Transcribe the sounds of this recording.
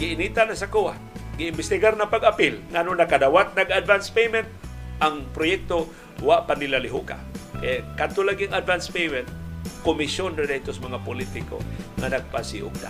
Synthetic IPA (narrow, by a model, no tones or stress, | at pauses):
ɡɪɪnit̪anasakuwat̪ɡɪɪmbɪst̪ɪɡaɾnapaɡapɪlŋaʔnʊnakad̪awat̪̚naɡad̪vanspejmɛnt̪̚ʔaŋpɾʊjɛk̚t̪o | waʔpanɪlalɪɦʊka̰kekad̪t̪olaɡiaŋad̪vanspejmɛnt̪̚kʊmɪsjondadat̪osamaŋapʊlit̪ɪko̰ŋanaɡ̚pasiʔʊ̰ɡ̚na̰